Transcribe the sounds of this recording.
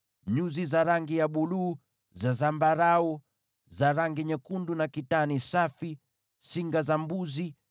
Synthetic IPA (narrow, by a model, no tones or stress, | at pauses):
ɲuzizaɾaŋɡijaɓuluː | zazambaɾaɔ | zaɾaŋɡiɲɛkundunakitanisafi | siŋɡazambuzi